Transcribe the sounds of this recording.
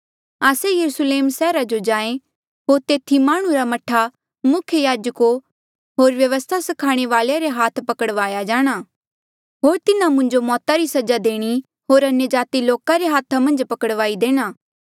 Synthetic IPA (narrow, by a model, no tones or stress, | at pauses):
aːsejɐɾusleːmsɛːɾad͡ʒod͡ʒãːẽ | ɦoːɾt̪eːt̪ʰimaːɽ̃ũɾamɐʈʰa | mʊkʰjəjaːd͡ʒəko | ɦoːɾʋjɐʋəst̪ʰasɐkʰaːɽ̃eʋaːlaɾeɦaːt̪ʰpɐkəɽʋaːjad͡ʒaːɽ̃aː | ɦoːɾt̪ɪnãmʊ̃ɲd͡ʒomɔːt̪aɾisɐd͡ʒad̪eːɽ̃i | ɦoːɾɐnjəd͡ʒaːt̪iloːkaɾeɦaːt̪ʰamɐ̃nd͡ʒpɐkəɽʋaːid̪eːɽ̃aː